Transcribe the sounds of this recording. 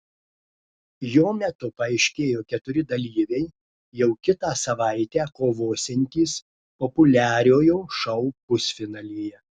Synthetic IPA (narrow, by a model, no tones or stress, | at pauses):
joːmʲɛt̪ʊpɐɐɪʃʲkʲeːjoːkʲɛt̪ʊɾʲɪd̪ɐlʲiːʋʲɛɪ | jɛʊkʲɪt̪ɑːsɐʋɑˑɪt̪ʲæːkoːʋoːsʲɛnʲt̪ʲiːs | pɔpʊlʲæːɾʲoːjoːʃɐʊpʊsʲfʲɪnɐlʲiːjɛ